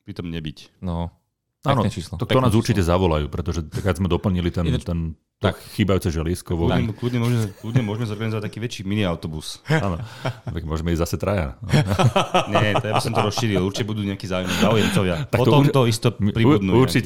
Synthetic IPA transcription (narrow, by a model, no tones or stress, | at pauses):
pɾit̪ɔmɲɛbicnɔ | aːnɔt͡ʃiːslɔt̪ɔkt̪ɔnaːzuɾt͡ʃitɛzaʋɔlajṵːpɾɛt̪ɔʒɛt̪akaɡzmɛd̪ɔpl̩ɲilit̪ɛnt̪ɛn | t̪ɔxiːbajuːt͡sɛʒɛliːskɔʊʋɔɛkluːd̪ɲɛmʊɔʒmɛkluːd̪ɲɛmʊɔʒɛmɛzɔɾɡanizɔʋat̪̚akiːʋɛt͡ʃiːminiaʊt̪ɔbusaːnɔʋɛkmʊɔʒɛmɛizasɛt̪ɾaja̰n | ɲɛt̪jabisɔmt̪ɔɾɔsʃʃiːɾiluɾt͡ʃi̥cɛbud̪uːɲɛakɛːzaːujmɛzaujɛmt̪ɔjat̪akɔt̪ɔɔmt̪ɔist̪ɔmipɾibud̪nuɛuɾt͡ʃiɛ